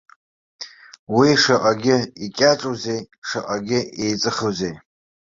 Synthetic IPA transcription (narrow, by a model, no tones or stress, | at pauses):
wiʂaʔʼaɡʲɪikʲʼaʈ͡ʂʼuze̞j | ʂaʔʼaɡʲɪejt͡sʼɨχuzej